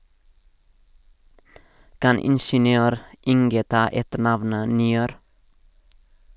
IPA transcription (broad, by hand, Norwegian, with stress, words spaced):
ˈkɑn ˈɪnʃənɪˌøːɾ ˈɪŋɡə ˈtɑː ˈɛtəˌɳɑʋnə nɪˈøːɾ